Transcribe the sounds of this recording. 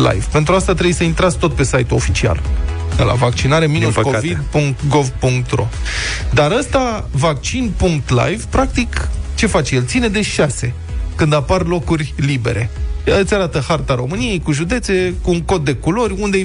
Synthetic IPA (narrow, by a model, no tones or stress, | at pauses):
la̰jvpe̞nt̪ɾuast̪at̪ɾe̞bujsəint̪ɾat̪sk̚t̪o̞t̪̚pe̞sajt̪uo̞fit͡ʃia̰l | d̪ela̰vakt͡ʃinaɾe̞minuskovid̪̚puŋkt̪ɡo̞vpuŋk̚t̪ro̞̰d̪aɾəst̪a | vak̚t͡ʃinpuŋk̚t̪la̰jvpɾak̚t̪ikt͡ʃe̞fat͡ʃejelt̪sine̞d̪e̞ʃase̞ | kɨnd̪aparlo̞kurʲlibe̞̰ɾe̞ət̪sʲaɾat̪əhart̪aɾo̞mɨnije̞jkuʒud̪e̞t̪se̞kuːŋko̞t̪̚d̪e̞kulo̞rʲund̪e̞